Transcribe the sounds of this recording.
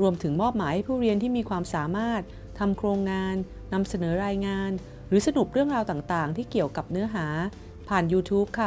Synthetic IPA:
ɾu˧əmt̪ʰɯ˩˦ŋmɔː˥˩p̚maː˩˦ha˥˩jpʰuː˥˩ɾi˧ənt̪ʰiː˥˩miː˧kʰwaː˧msaː˩˦maː˥˩t̪̚ʰːa˧mkʰɾoː˧ŋːaː˧nː | a˧msa˧nɤː˩˦ɾaː˧jŋaː˧n | ɾɯː˩˦sa˧nu˨˩p̚ɾɯ˥˩əŋɾaː˧wt̪aː˨˩ŋt̪aː˨˩ŋt̪ʰiː˥˩ki˨˩əwka˨˩p̚nɯ˦˥ɐɦaː˩˦ | pʰaː˨˩njuː˧t̪ʰuː˦˥p̚kʰa˥˩

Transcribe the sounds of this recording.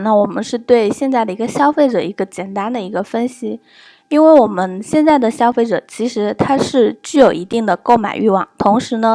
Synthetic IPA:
nə˥˩wɔ˨˩mə̰˦nʂɻ̩˥˧t̪we˥˧ɪɕjɛ˥˧nt͡sa˥˩ɪd̪ə˩i˧˥ɡə˧ɕjɑ˥ʊfe˥˩ɪʈ͡ʂɤ˨˩i˧˥ɡə˧t͡ɕjɛ˨˩nt̪a˥nd̪ə˨i˧˥ɡə˧fə˥nɕi˨ | i˥nwe˥˩ɪwɔ˨˩mə˦nɕjɛ˥˧nt͡sa˥˩ɪd̪ə˩ɕjɑ˥ʊfe˥˩ɪʈ͡ʂɤ̰˨˩t͡ɕʰi˧˥ʂɻ̩˧˥t̪ʰa˥ʂɻ̩˥˧t͡ɕy˥˩jo˨˩ʊi˧˥t̪i˥˩ŋd̪ə˩ko˥˩ʊma̰˨˩ɪy˥˧wɑ˥˩ŋt̪ʰʊ˧˥ŋʂɻ̩˧˥nə˧

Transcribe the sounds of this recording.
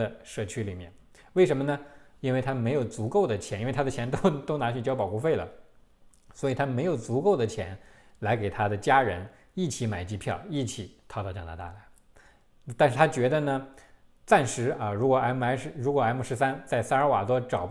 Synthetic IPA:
ə˧ʂɤ˥˩t͡ɕʰy˥li˨˩mjɛ̰˥˩n | we˥˩ɪʂə˧˥mə˧nə˧i˥nwe˥˩ɪt̪ʰa˥me˧˥ɪjo˨˩ʊt͡su˧˥ko˥˩ʊd̪ə˩t͡ɕʰjɛ˧˥ni˥˧˩t̪ʰa˥d̪ə˨t͡ɕʰjɛ˧˥nt̪o˥ʊt̪o˥ʊna˧˥t͡ɕʰy˨˩t͡ɕjɑ˥ʊpɑ˨ʊku˥˧fe˥˩ɪlə̰˩ | swɔ˧˥i˨˩t̪ʰa˥me˧˥ɪjo˨˩ʊt͡su˧˥ko˥˩ʊd̪ə˩t͡ɕʰjɛ˧˥nla˧˥ɪke˨˩ɪt̪ʰa˥d̪ə˨t͡ɕja˥ɻə˧˥n | i˥˩t͡ɕʰi˧˥ma˨˩ɪt͡ɕi˥pʰjɑ˥˩ʊi˥˩t͡ɕʰi˨˩˦t̪ʰɑ˥˧ʊt̪ɑ˥˩ʊt͡ɕɑ˨˥ŋna̰˧˥t̪a̰˥˩la˧˥˦ɪ˧ | t̪a˥˧nʂɻ̩ʰ˥˩a˥t͡ɕɥɛ˧˥d̪ə˧nə˩ | t͡sa˥˩nʂɻ̩˧˥ə˧ɻu˧˥kwɔ˨˩a˧˥ɪmu˧˩a˧˥ɪʂɻ̩˥˧ɻu˧˥kwɔ˨˩a˥ɪmu˧˥˩ʂɻ̩˧˥sa˥nt͡sa˥˩ɪsa˥˧ə˞˧˥wa̰˨˩t̪wɔ˥ʈ͡ʂɑ˨˩ʊp

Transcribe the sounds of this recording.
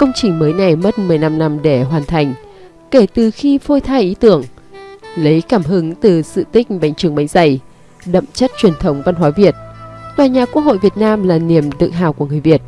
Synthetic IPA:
kə˧wŋ͡mt͡ɕï˨˩ŋ̟məː˨˦jna˨˩jmə˦˥t̚mɨ˨˩əjna˧mna˧mɗe˧˩ɦwaː˨˩nt̪ʰa˨˩jŋ̟ | ke˧˩t̪ɨ˨˩xi˧fo˧jt̪ʰaː˧jʔi˨˦t̪ɨ˧˩əŋ | lə˨˦jkaː˧˩mɦɨ˨˦ŋt̪ɨ˨˩sɨ̰˧˨t̪ï˦˥k̟̚ɓa̰˨˧˩jŋ̟t͡ɕɨ˨˩əŋɓa˨˦jŋ̟za˧˩j | ɗə̰˧˨mt͡ɕə˦˥t̚t͡ɕwi˨˩ənt̪ʰə˨˦wŋ͡mva˧nɦwaː˨˦vi˨˩ət̚t̪waː˨˩ɲaː˨˩ku˥ək̚ho̰˧˨jvi˨˩ət̚naː˧mlaː˨˩ni˧˩əmɗɨ̰˧˨k̚ɦa̰ː˧˨wku˧˩əŋɨ˨˩əjvi˨˩ət̚

